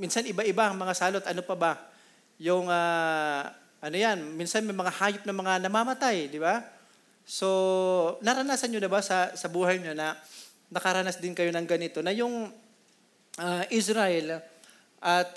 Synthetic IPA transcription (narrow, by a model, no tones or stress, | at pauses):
minsanɪbaʔɪbaŋmɐŋasaːlo̞t̪ʔɐno̞pɐba | jʊŋa | ʔɐnojanminsɐnmɐjmɐŋahaːjop̚nɐmɐŋanɐmamɐt̪ajd̪ɪba | so̞nɐɾɐnaːsɐnɲod̪ɪbasɐsɐbuːhɐjɲonɐ | nɐkɐɾanasd̪ɪnkɐjo̞nɐŋɡɐnɪt̪o̞nɐjʊŋ | ʔaʔɪsɾɐʔɛl | ʔɐt̪̚